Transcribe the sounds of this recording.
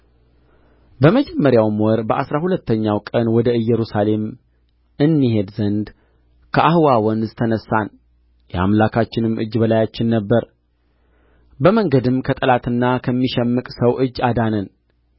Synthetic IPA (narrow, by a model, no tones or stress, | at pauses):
bəməd͡ʒɛmːəɾjawmwɔɾbəʔasɾahulət̪ːəɲːawkʼənwɔd̪əɨjːɛɾusale̞m | ʔɨnːihe̞d̪zənd̪ | kʰəʔahɨwawɔnzt̪ʰənəsːan | jɛa̰mlakʰat͡ʃːɪnɨmʔɨ̰d͡ʒːbəlajat͡ʃːɪnːəbːəɾ | bəməŋɡəd̪ɨmkʰət̪ʼəlat̪ɨnːakʰəmːiʃɛmːɨkʼsəwʔɨd͡ʒːad̪anən